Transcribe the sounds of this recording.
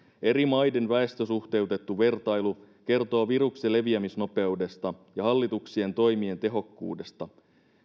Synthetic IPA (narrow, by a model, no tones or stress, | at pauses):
e̞ɾimɑjde̞nʋæe̞st̪øsuxt̪e̞ut̪e̞t̪ːuʋe̞rt̪ɑjlu | ke̞rt̪oːʋiruksele̞ʋiæmisno̞pe̞ude̞st̪ɑjɑɦɑlːit̪uksie̞nt̪o̞jmie̞nt̪e̞ɦo̞kːṵːde̞st̪ɑ